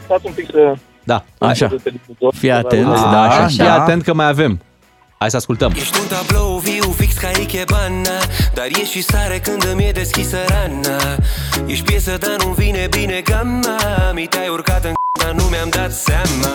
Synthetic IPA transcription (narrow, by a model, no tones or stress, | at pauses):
fat̪sumpiksə | d̪aa̰ʃat̪ezfijat̪ent̪d̪aʃafiat̪e̞nt̪̚kəmajave̞m | ajsəaskult̪əmjeʃt̪unt̪abloviwfikskaikʲebanːad̪aɾjeʃisaɾekɨnd̪ɨmjed̪e̞skʲisəɾanːa | jeʃpjesəd̪anunvinebine̞ɡamːamit̪eajurkat̪ɨŋkat̪anumeamd̪at̪sama